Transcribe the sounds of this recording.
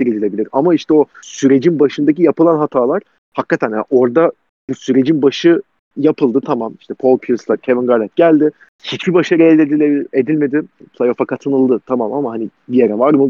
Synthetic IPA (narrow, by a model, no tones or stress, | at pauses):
ɾid̪ilʲe̞bilʲiɾamaiʃt̪ɛo̞syɾe̞d͡ʒinbaʃɯnd̪ac̬ijapɯlˠanɦat̪ʰaːlˠaɾ̥ | hakːat̪ʰænja̰ʔo̞ɾd̪a | busyɾe̞d͡ʒinbaʃɯ | japʰɯlˠd̪ɯt̪ʰamamiʃt̪ʰɛpʰo̞lˠpʰiuslˠaɾcʰevinɡaɾd̪at̪̚ɟælʲd̪ɪ | çit͡ʃbibaʃaɾɯelʲed̪ilʲebied̪ilʲme̞d̪ɪpʰlˠajo̞fakʰat̪ʰɯnɯlˠd̪ɯt̪ʰamamamaɦanibijeɾɛvaɾmɯ